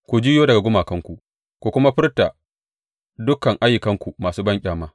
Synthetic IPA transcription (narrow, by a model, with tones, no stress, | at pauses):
kʷu˨d͡ʒiː˦joː˦dɐ˨ɡa˨ɡʷʊ˦maː˨kɐ˦ŋkʷu˨ʔ | kʷu˨kʷʊ˦ma˦ɸɪ˦rta˨ | dʊ˦kɐ˨ŋʔa˦jːʊ˨kɐ˦ŋkʷu˨maː˨suː˦bɐ˦ŋkʲʼaː˨maː˦